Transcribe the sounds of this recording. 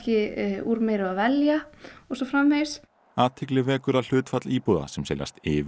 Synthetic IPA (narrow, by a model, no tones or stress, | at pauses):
cɪuːɾmeːjɾʏavɛljaɔsɔfɾamvejs | aːt̪ʰːɪklɪvɛːkʏɾal̥ʏːt̪fat̪liːpuða̰sɛmsḛːla̰st̪ɪːv